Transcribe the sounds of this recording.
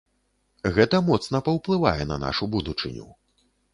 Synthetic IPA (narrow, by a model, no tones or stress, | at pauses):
ɣɛt̪ɐmɔt̪snɐpɐwplˠɨva̰jɛnɐ̰na̰ʂubud̪ut͡ʂɨ̰nʲṵ